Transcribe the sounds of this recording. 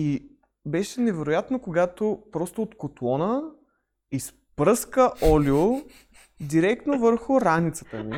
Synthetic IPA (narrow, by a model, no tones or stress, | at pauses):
i | bɛʃɛnɛvɛɾojat̪nokoɡat̪opɾɔst̪oːt̪kot̪lˠɔnə | is | pɾɤskəʔɔljo | d̪iɾɛk̚t̪novəɾxʊɾanit̪sə̥t̪əmi